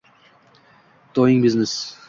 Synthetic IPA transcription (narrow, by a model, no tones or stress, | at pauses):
t̪ʰojɪŋbɪznɪs